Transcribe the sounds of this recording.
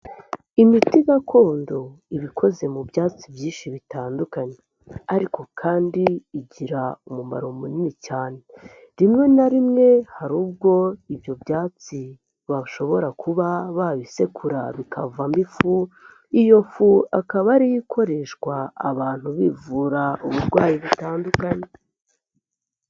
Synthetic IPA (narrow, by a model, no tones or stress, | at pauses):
imitiɡakʰo̞ːndo̞ | iβikʰo̞ze̞mubjaːt͡sibjiːʃiβitaːndukaɲe̞ | aɾiko̞kʰaːndiːɟiɾaumuma̰ɾo̞muninicaːne̞ | ɾimŋe̞naɾimŋe̞haɾuːb̚ɡo̞ibjo̞bjaːt͡si | βaʃo̞βo̞ɾakʰuβaβaβise̞kʰuɾa̰βikʰavambifu | ijo̞fuakaβaɾijikʰo̞ɾe̞ʃkwa̰ːβaːn̥huβivuːɾauβuɾɡwaːjiβitaːndukaɲe̞